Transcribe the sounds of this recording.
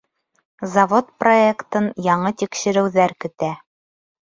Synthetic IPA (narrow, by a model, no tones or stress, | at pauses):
zɐvot̪̚proekt̪ɤnjɑɴɤt̪ikʃɘ̆ɾɘ̆wðæɾkɵ̆t̪æ